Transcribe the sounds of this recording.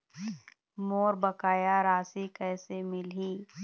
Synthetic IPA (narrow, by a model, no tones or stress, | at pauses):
moːɾbəkaːjaɾaːsikɛːsemɪlɦiː